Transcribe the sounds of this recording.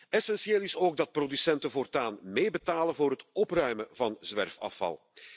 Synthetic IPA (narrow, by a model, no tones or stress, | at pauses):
ɛsɛnsjeːlˠɪsoːɡ̚dɑt̚prodysɛntəvoːrtaːnmeːjbətaːlənvoːrɦətɔprœɥməvɑnzʋɛrfɑ̰fɑ̰lˠ